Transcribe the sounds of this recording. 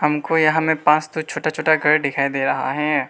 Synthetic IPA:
hɐmkojɐɦãmẽpãːt͡ʃt̪ot͡ʃʰoːʈat͡ʃʰoːʈaɡʱɐɽɖɪkʰaːid̪eːɾɐɦa̰ɦɛː

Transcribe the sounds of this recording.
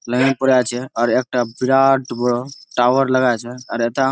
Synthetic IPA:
ləɡepəɾat͡ʃʰɛɔːɾek̚ʈabiɾaʈbəɽoʈaʋəɾləɡat͡ʃʰɛɔːɾet̪a

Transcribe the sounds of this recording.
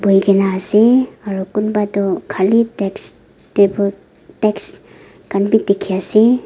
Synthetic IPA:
bujɡenaːseaɾukunbadɔkʰaliteks | tebɔ | teks | kanbitikʰːiasi

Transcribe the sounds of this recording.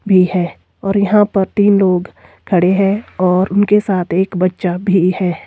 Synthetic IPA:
bʱihɛː | ɔːɾjɐɦãpɐɾt̪iːnloːɡ | kʰɐɽeɦɛ̃ɔːɾʊnkesaːt̪ʰeːkbɐtːʃabʱihɛː

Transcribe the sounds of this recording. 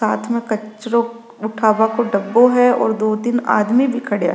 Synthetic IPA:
aːt̪ʰmẽkɐt͡ʃɾõ | ʊʈʰaːʋakoɖɐbːoɦɛɔ̰ːɾd̪oːd̪ɪna̰ːd̪mibʱikʰɐɽja̰

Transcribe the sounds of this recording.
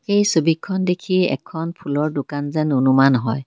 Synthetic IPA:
xejsobikʰːɔndekʰiɛ̰kʰɔnpʰulɔɹdʊkanzɛnonumanɦɔj

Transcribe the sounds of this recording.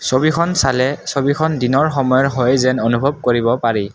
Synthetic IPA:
sobikʰɔnsalɛsobikʰɔndinɔɹxɔmɔjɔɦɔjzɛnonubʱɔb̚koɹibɔpaɹi

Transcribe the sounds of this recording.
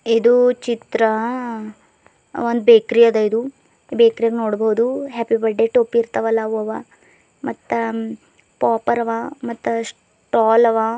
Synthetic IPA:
id̪ut͡ʃit̪ɾɐ | ond̪beːkɾijɐd̪ɐid̪u | beːkɾijɐɡnoːɽbɐɦud̪uɦeːpibɐɖːeʈopːiːɾt̪ɐʋɐlːaʋɐʋɐ | mɐt̪ːɐ | paːpɐɾɐʋamɐt̪ːɐs | ʈaːlɐʋa

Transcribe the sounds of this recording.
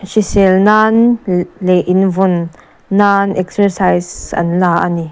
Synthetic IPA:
sisɛlnanleʔinvʊnː | anɛksəɾsajsɐ̰nlaːʔɐni

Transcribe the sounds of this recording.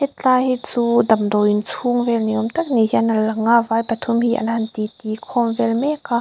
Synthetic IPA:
hɛt̪̚t͡ɬahit͡suːd̪ɐmd̪ɔwʔint͡sʰuŋvɛlniɔmt̪ɐk̚nihiənɐlɐŋavajpɐt̪ʰumhiːʔɐ̰nhɐnt̪it̪ikʰɔmvɛlmɛka

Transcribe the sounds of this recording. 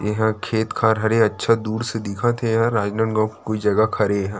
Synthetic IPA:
jɐɦãkʰeːt̪kʰaːɾɦɐɾeɐtːʃʰad̪uːɾsed̪ɪkʰãt̪ʰeɦãɾaːd͡ʒnə̃ɳɡãkkoːid͡ʒɐɡakʰɐɾeɦɛ̃ː

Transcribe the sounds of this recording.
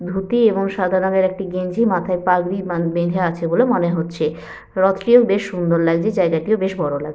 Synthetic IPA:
b̪ʱut̪ieboŋʃad̪ʱaɾɔɡeɾɛk̚ʈiɡend͡ʑimat̪ʰaepaɡɾibed̪ʱeat͡ɕʰebolemoneɦotːɕʰe | ɾɔt̪ɾiokbeʃːund̪oɾlaɡ̚d͡ʑed͡ʑaeɡaʈiobeʃbɔɾola̰ɡd͡ʑ

